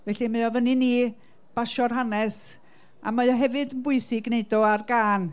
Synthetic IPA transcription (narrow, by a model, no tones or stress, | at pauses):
vɛɬimajɔvənini | b̥aʃɔrɦanɛs | a̰majɔɦɛvɨdənbʊɨsɪɡneɨdɔarɡaːn